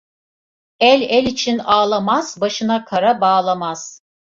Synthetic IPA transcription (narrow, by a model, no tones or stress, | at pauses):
ælʲælʲit͡ʃʰinaːlˠamaz̥baʃɯnakʰaɾabaːlˠamaz̥